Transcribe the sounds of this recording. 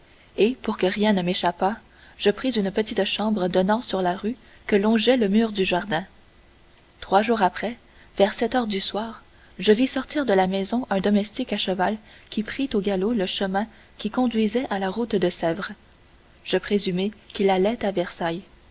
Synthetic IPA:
epuʁkəʁjɛ̃nəmeʃapa | ʒ̥əpχizynpət̪it̪ʃɑ̃bʁəd̪ɔnɑ̃syʁlaʁy | kəlɔ̃ʒɛləmyːʁd̪yʒaʁd̪ɛ̃ | t̪χwaʒuːʁapχɛ | vɛʁsɛt̪œːʁd̪yswaːʁ | ʒəvisɔʁt̪iːʁd̪əlamɛzɔ̃ʔɛ̃d̪ɔmɛst̪ikaʃəvalkʲipχit̪oɡaloləʃəmɛ̃ | kʲikɔ̃d̪ɥizɛʔalaʁut̪d̪əsɛvʁ | ʒ̥əpχezymekʲilalɛt̪avɛʁsaj

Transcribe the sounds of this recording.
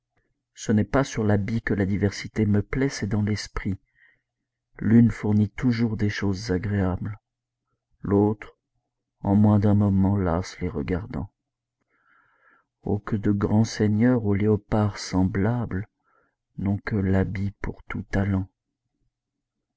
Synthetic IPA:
sənɛpasyʁlabikəlad̪ivɛʁsit̪eməplɛsɛd̪ɑ̃lɛspχi | lynfuʁnit̪uʒuʁd̪eʃozzaɡʁeabl | lot̪χ | ɑ̃mwɛ̃d̪ɛ̃mɔmɑ̃lasleʁə̰ɡaʁd̪ɑ̰̃ | o̰kəd̪əɡʁɑ̃sɛɲœʁoleɔpaʁsɑ̃blabl | nɔ̃kəlabipuʁt̪ut̪alɑ̃

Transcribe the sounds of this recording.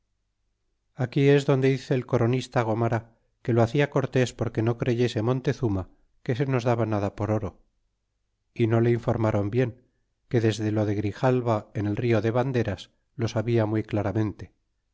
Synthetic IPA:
akie̞zðo̞nd̪e̞iθe̞ːlko̞ɾo̞nist̪aɣ̞o̞maɾa | ke̞loaθiako̞ɾt̪e̞spo̞ɾke̞no̞kɾe̞ʝe̞se̞mo̞nt̪e̞θuma | ke̞se̞no̞zðaβanaðapo̞ɾo̞ɾo̞ | ino̞le̞iɱfo̞ɾmaɾo̞mbje̞ŋ | ke̞ðe̞zðe̞lo̞ðe̞ɣɾixalβae̞ne̞lrio̞ðe̞βand̪e̞ɾas | lo̞saβiamwujklaɾamẽ̞nt̪e̞

